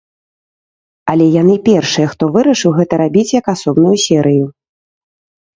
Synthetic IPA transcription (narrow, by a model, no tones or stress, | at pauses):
ɐlʲɛjanɨpʲɛrʂɨjɛxt̪ɔvɨɾɐʂɨwɣɛt̪ɐɾabʲit͡sʲjɐkasɔbnujusʲɛɾɨju